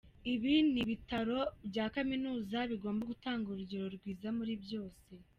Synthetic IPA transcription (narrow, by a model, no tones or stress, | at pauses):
iβiniβitaɾo̞bɟaːkaminuːzaβiɡo̞ːmbaɡutaːŋɡuɾuɟoɾo̞ɾɡwiːzamuɾibjo̞ːse̞